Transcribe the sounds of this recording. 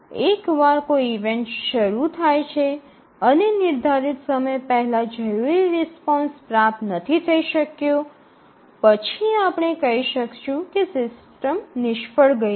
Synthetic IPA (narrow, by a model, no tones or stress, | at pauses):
ekʋaɾkoiiʋeɳʈʃəɾut̪ʰajt͡ʃʰe | ənenɪɾd̪ʱaɾit̪səməjpəɦɛlad͡ʒəjuiɾɛspɔnspɾat̪nət̪ʰit̪ʰəiʃəkjõ | pət͡ʃʰiapɳ̃ekəɦiʃəkʃũkesɪs | ʈəmnɪʃpəɽɡə